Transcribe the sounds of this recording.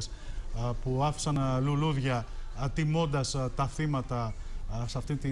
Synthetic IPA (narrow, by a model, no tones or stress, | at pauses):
s | puɐfi̥sɐnluluðʝɐt̪imo̞nd̪ɐst̪ɐθimɐt̪ɐsɐft̪int̪i